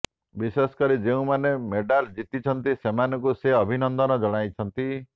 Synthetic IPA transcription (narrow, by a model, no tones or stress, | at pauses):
bisesɔ̥kɔɾid͡ʒeũmanemeɖald͡ʒit̪it͡ʃʰɔnt̪isemanɔ̃kuseɔbʱinɔnd̪ɔnɔd͡ʒɔɽ̃ajt͡ʃʰɔnt̪i